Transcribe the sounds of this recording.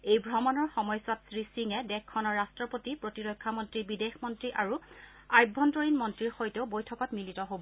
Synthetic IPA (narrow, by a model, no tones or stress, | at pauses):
ejbʱɹɔmɔnɔɹxɔmɔjswatsɹisiŋɛdɛkʰːɔnɔɹːastɹɔpotipɹotiɹojkʰːamɔntɹibidexmɔntɹiʔaɹu | ajbʱːɔntɔɹinmɔntɹiɹxojteʊbojtʰɔkɔtmilitɔɦobɔ